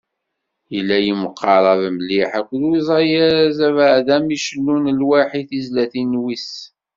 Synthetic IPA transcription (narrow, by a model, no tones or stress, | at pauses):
jəlːæjiməqʰːɑɾˤɑðmliħækʷːəlwizˤɑjaɾæzævaʕðæmiʃəlːunəlwæħiθizlæθinwis